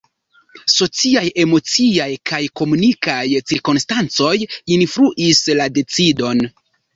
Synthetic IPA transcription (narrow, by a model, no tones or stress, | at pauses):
so̞t͡siaje̞mo̞t͡siajkʰajko̞munikajt͡siɾkonstant͡so̞jinfɾuʔislade̞t͡sido̞n